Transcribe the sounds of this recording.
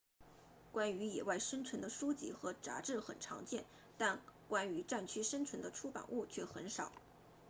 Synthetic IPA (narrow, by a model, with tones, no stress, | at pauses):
kwa˥ny˧˥jɛ˨˩wa˥˩ɪʂə˥nt͡sʰwə˧˥nd̪ə˧ʂu˥t͡ɕḭ˥˩xɤ˧˥ʈ͡ʂa̰˧˥ʈ͡ʂɻ̩˥˩xə̰˨˩nʈ͡ʂʰɑ̰˧˥ŋt͡ɕjɛ˥˩n | t̪a˥˩nkwa˥ny˧˥ʈ͡ʂa˥˩nt͡ɕʰy˥ʂə˥nt͡sʰwə˧˥nd̪ə˧ʈ͡ʂʰu˥pa̰˨˩nʔu˥˩t͡ɕʰɥɛ˥˩xə˧˥nʂɑ˨˩˦ʊ